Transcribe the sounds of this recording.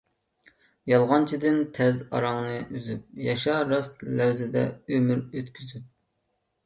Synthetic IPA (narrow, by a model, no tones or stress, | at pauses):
jɑlˠʁɑnt͡ʃʰid̪ɪnt̪ʰɛzɑ̰ɾɑŋnɨʔyzyp̚jɑʃɑɾɑst̪læwzɪd̪ɛ̰ømyɾøt̪kʲʰyzyp̚